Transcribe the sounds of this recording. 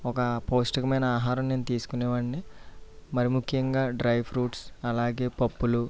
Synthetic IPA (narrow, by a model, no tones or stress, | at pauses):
ɔkɐpoːsʈɐkɐmɐjnɐaːɦaːɾɐmneːnut̪iːsu̥kunɛːʋaːɳni | mɐɾimukʰjɐŋɡaːɖɾɐjpʰɾuːʈsɐlaːɡe̞ːpɐpːulu